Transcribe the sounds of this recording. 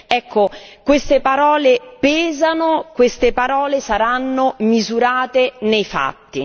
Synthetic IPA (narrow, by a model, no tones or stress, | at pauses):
ɛkʰːokwest̪epaɾɔːlepɛːzanokwest̪epaɾɔːlesaɾanːomizuɾaːt̪enejfa̰t̪ːi